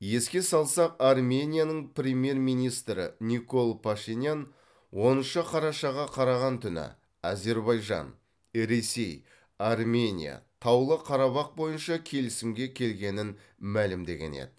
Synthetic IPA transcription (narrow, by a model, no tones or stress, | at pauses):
je̞skʲe̞sɑlˠsɑqɑrmʲe̞nʲijanəɴprʲemʲje̞rmijnijst̪ɾɪ̰nʲiko̞lˠpʰaʃinjan | wo̞nəʃəqʰɑɾɑʃɑʁɑqʰɑɾɑʁɑnt̪ʰʏnɪ̰ | ɑze̞ɾβɑjʒɑ̰n | ɾe̞se̞j | armʲe̞nʲḭja̰t̪ʰɑwlˠəqʰɑɾɑβɑq̚bo̞jənʃɑkʲʰe̞lɪsɪmɡʲe̞kʲʰe̞lɡʲe̞nɪn | mælɪmd̪e̞ɡʲe̞̰nḛd̪ɪ